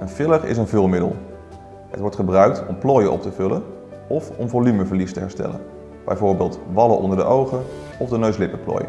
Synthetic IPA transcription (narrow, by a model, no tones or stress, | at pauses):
ənfɪlərɪ̰s̬ənvɵlˠmɪdə̰lˠ | ɦə̰tʋɔɹtχəbrœɥk̚tɔmplɔːjəʔɔ̰p̚təvɵlən | ɔfɔmvolyməvəɹlistəɦɛɹstɛ̰lə̰n | b̥ɛ̰jvʊːɹbɪːlˠtʋɑləʔɔ̰ndəɹdə̰ʔowχən | ɔvdənøɥslɪpəplɔ̰ːjə̰